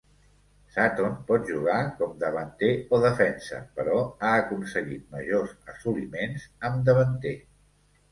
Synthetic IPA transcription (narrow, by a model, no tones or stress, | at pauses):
sat̪onpɔt̪ʒuɣ̞akɔmd̪əβənt̪eoðəfɛnsə̰pəɾɔaəkunsəɣit̪̚məʒozəsulimenzəmd̪əβənt̪e